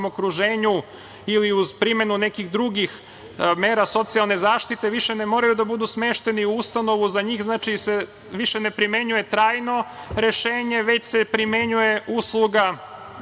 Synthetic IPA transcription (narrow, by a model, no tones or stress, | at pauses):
mokɾuʒeːɲu | iliuzpɾime̞nune̞kiɣd̪ɾuɡix | me̞ːɾaso̞t̪sialˠnezaːʃt̪it̪e̞ʋiʃenemo̞ːɾajud̪abud̪usmeːʃt̪e̞niuust̪ano̞ʋuzaɲiːxznaːt͡ʃise | ʋiʃene̞pɾime̞ɲuje̞t̪ɾaːjno̞ɾe̞ʃeːɲe̞ʋe̞t͡ɕsepɾime̞ɲuje̞usluɡa